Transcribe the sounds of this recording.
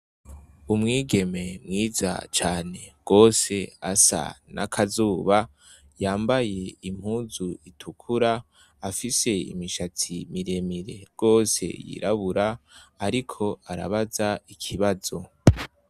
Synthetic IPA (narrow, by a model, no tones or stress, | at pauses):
umŋiːɡe̞me̞mŋiːza̰t͡ʃaːne̞ɡ̥o̞ːse̞asa̰na̰kʰazuːβa | jaːmbaje̞im̥huːzuitʰukʰuɾaː | fise̞ḭmiʃat͡sʰimiɾe̞miɾe̞̰ɡ̥o̞ːse̞̰jḭɾaβuɾaːɾikʰo̞ʔaɾa̰βazaikʰiβazo̞